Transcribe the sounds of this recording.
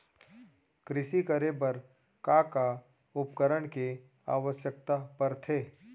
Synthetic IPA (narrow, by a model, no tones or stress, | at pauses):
kɾɪʃikəɾebɐɾ | kaka | ʊpkəɾəɳke | a̰ːʋəʃjək̚t̪apɐɾt̪ʰeː